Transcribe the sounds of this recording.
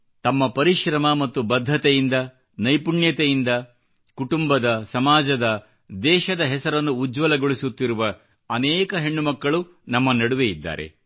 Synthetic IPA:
t̪ɐmːɐpɐɾiʃɾɐmɐmɐt̪ːubɐd̪ʱːɐt̪ejind̪ɐ | nɐjpuɳjɐt̪ejind̪ɐ | kuʈumbɐd̪ɐsɐmaːd͡ʒɐd̪ɐ | d̪ɛːʃɐd̪ɐɦɛsɐɾɐnːuːd͡ʒʋɐlɐɡoɭisut̪ːiɾuʋɐ | ɐnɛːkɐɦe̞ɳːumɐkːɐɭu | nɐmːɐnɐɽuʋejid̪ːa̰ːɾḛ

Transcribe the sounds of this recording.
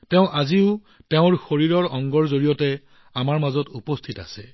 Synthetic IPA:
teʊ̃ʔaziʊ | teʊ̃ɹxoɹiɹɔɹɔŋɡɔɹzoɹijɔtɛ | amaɹmazɔtupɔstʰita̰sɛ

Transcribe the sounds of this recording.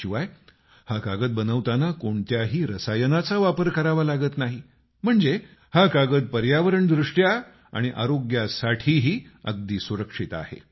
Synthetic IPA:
iʋaj | hakaɡət̪̚bənəʋt̪anakoɳt̪jaɦiːɾəsajənat͡saʋapəɾkəɾaʋalaɡət̪naɦi | m̤əɳd͡ze | hakaɡət̪̚pəɾjaʋəɾəɳd̪ɾuʂʈja | a̰ɽ̃iʔa̰ɾoɡjasaʈʰiːɦiːə̰ɡ̚d̪iːsuɾəkʂit̪a̰hḛ

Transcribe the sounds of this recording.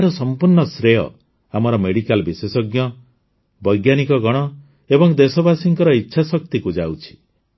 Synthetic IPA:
ɾɔsɔmpuɾɳɔsɾejɔ̰ | amɔɾɔmeɽikalbisesɔɡjɔ | bɔjɡjanikɔɡɔɽ̃ɔ | ebɔŋd̪esɔbasiŋkɔɾɔitːʃʰasɔk̚t̪ikud͡ʒawt͡ʃʰi̥

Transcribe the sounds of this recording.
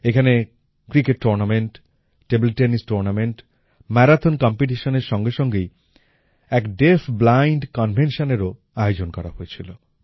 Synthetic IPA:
ekʰane | kɾikeʈːoɾnameɳʈː | ebelʈenisʈoɾnameɳʈ | mɛɾat̪ʰonkɔmpiʈ̬iʃoneɾʃɔŋɡeʃɔŋɡej | ɛkɖefʰblajɳɖkɔnbʱenʃoneɾo | aeod͡ʑonkɔɾa̰ɦojet͡ɕʰilo

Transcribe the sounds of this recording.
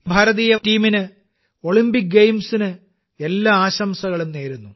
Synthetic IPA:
bʱɐɾɐðiːjɐtiːminɨ | o̞ɭimbik̚ɡejmsinɨ | e̞lːaaːɕɐmsɐɣɐɭumne̞ːɾunːu

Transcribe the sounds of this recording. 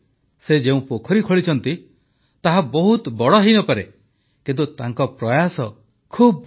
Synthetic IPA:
sed͡ʒeũpokʰɔɾikʰɔɭit͡ʃʰɔnt̪i | t̪aɦabɔɦut̪bɔɭɔɦinɔpaɾe | kint̪ut̪aŋkɔpɾɔjasɔ | kʰub

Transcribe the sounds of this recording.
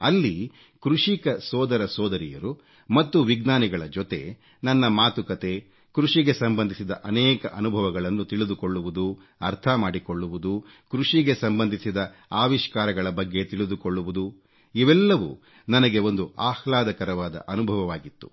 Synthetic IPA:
ɐlːi | kɾuʂikɐsɔːd̪ɐɾɐsɔːd̪ɐɾijɐɾu | mɐt̪ːuʋiɡnaːniɡɐɭɐd͡ʒɔt̪e̞̰ | nɐnːɐmaːt̪ukɐt̪e̞ | kɾuʂiɡe̞sɐmbɐnd̪ʱisid̪ɐʔɐnɛːkɐ̰ʔɐnubʱɐʋɐɡɐɭɐnːut̪iɭid̪uko̞ɭːuʋud̪u | ɐɾt̪ʰɐmaːɽikoɭːuʋud̪u | kɾuʂiɡe̞sɐmbɐnd̪ʱisid̪ɐ | aːʋiʃkaːɾɐɡɐɭɐbɐɡːe̞t̪iɭid̪ukoɭːuʋud̪u | iʋɛlːɐʋṵ | nɐnɐɡe̞o̞nd̪uʔaːhlaːd̪ɐkɐɾɐʋaːd̪ɐ̰ʔɐnubʱɐʋɐʋaːɡit̪ːu̥̰

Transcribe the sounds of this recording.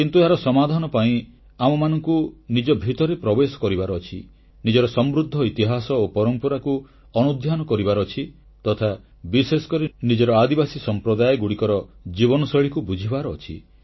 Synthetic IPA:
kint̪ueaɾɔsɔmad̪ʱanɔpaĩ | amɔmanɔŋkunid͡ʒɔbʱit̪ɔɾepɾɔbesɔ̥kɔɾibaɾɔːt͡ʃʰḭ | nid͡ʒɔɾɔsɔmɾud̪ʱːɔit̪iɦasɔopɔɾɔmpɔɾaku | ɔnud̪ʱjanɔkɔɾibaɾɔːt͡ʃʰi | t̪ɔt̪ʰa | bisesɔ̥kɔɾinid͡ʒɔɾɔad̪ibasisɔmpɾɔd̪ajɔɡuɽikɔɾɔd͡ʒibɔnɔsɔɭikubud͡ʒʱibaɾɔːt͡ʃʰḭ

